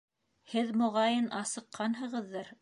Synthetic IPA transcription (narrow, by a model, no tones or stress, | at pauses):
hɘðmŏʁɑjɤnʔɑsɤ̆qːɑnɦɤ̆ʁɤ̆ðːɑɾ